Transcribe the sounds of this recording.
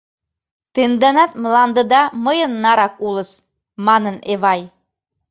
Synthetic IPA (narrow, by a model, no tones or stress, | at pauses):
t̪end̪ænɑt̪̚mlɑnd̪əd̪ɑməjənːɑɾɑkulə̆s | mɑnəneβɑj